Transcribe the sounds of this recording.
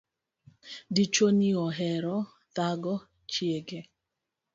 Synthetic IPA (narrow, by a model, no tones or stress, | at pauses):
dit͡ʃoniɔɦɛɾɔ | t̪aɡɔ | t͡ʃjeɡe